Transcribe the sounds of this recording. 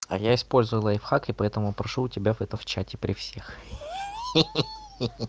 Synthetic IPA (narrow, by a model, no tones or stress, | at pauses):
a̰jaɪspo̞lʲzʊəlˠəɪfxakɪpɐɛt̪əmʊpɾɐʂuːtʲɪbʲavɛt̪əft͡ɕætʲɪpɾʲɪfsʲex